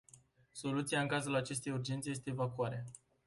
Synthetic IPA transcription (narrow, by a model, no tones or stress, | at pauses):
so̞lut̪siaɨŋkazulat͡ʃe̞st̪e̞jurd͡ʒe̞nt̪sejest̪e̞ːvakuaɾe